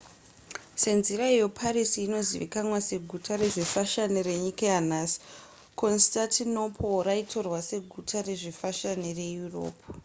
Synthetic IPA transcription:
se̞nziraijopʰaɾisiːno̞zḭʋḭkanwase̞ɡʱutʰare̞ʐifaʃanire̞ɲikajanaːsi̥ | ko̞nstatino̞pʰoraitʰo̞rwase̞ɡʱutʰare̞ʐifaʃanire̞juro̞̰ːpu

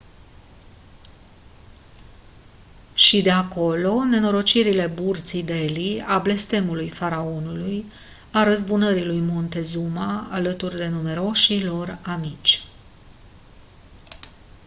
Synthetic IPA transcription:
ʃid̪e̞ako̞lo̞ne̞no̞ɾo̞t͡ʃiɾile̞burt̪sid̪e̞liable̞st̪e̞mulujfaɾao̞nuluj | aɾəzbunəɾilujmo̞nt̪e̞zumaːlət̪urd̪e̞nume̞ɾo̞ʃilo̞ramit͡ʃʲ

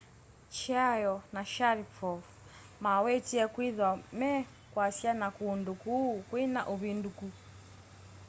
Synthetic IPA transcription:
t͡ʃajɔnaʃaɾipɔf | mawɛtiɛkwiðwamɛ | kwasjanakuːndukukwina̰ʔuβinduku

